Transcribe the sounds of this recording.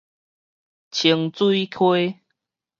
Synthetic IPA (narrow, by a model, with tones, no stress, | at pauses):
t͡ɕʰi˧əŋt͡swi˦i˦kʰwe˦